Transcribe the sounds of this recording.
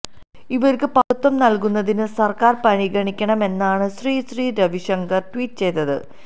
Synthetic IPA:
iʋɐɾkɨpɐlut̪ːɐmnɐlkunːɐðinɨsɐrkaːrpɐɳiɡɐɳikʲːɐɳɐme̞nːaːɳɨɕriːɕriːɾɐʋiʂɐŋɡɐrʈwiːʈ̚ːɨt͡ɕe̞jt̪ːɐðɨ̰

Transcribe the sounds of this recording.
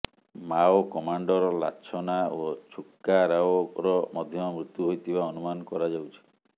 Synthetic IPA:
maokɔmaɳɖɔɾɔla̰t͡ʃʰɔnaot͡ʃʰukːaɾawoɾɔmɔd̪ʱjɔɔmɾut̪juɦojt̪ʰibaɔnumanɔkɔɾad͡ʒawt͡ʃʰi̥

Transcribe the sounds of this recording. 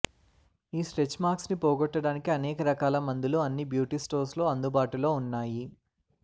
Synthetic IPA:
iːsʈɾet͡ʃmaːɾksnipoːɡɔʈːɐɽaːnikiɐnɛːkɐɾɐkaːlɐmɐnd̪iluɐnːibjuːʈiːsʈoːɾslo̞ːɐnd̪ubaːʈulo̞ːunːaːji

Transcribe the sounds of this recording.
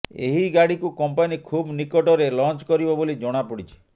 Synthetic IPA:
ḛɦiɡaɽikukɔmpanikʰubnikɔʈɔɾelɔnt͡ʃkɔɾibɔbolid͡ʒɔɽ̃apɔɽit͡ʃʰi̥

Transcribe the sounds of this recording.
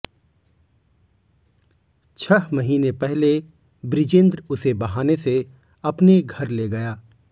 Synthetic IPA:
t͡ʃʰɐɦmɐɦiːnepɛɦle | bɾɪd͡ʒẽːnd̪ɾʊsebɐɦaːnese | ɐpneɡʱɐɾleːɡɐjaː

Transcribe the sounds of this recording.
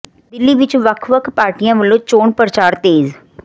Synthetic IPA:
d̪ɪlːiːʋɪt͡ʃʋəkʰʋəkʰpaːɾʈijãːʋəlõːt͡ʃoːɳpəɾət͡ʃaːɾt̪eːz

